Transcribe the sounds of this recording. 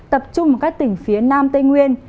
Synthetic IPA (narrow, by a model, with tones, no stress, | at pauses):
t̪ə˨˩p̚t͡ɕʊ˧ŋ͡mə˨˩kaː˦˥k̚t̪ï˧˩ŋ̟fi˨˦ənaː˧mt̪ə˧jŋwi˧ən